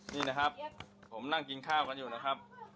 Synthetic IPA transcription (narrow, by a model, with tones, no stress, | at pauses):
niː˥˩na˦˥kʰa˦˥p̚ʰo˩˦mna˥˩ŋki˧nkʰaː˥˩wka˧njuː˨˩na˦˥kʰa˦˥p̚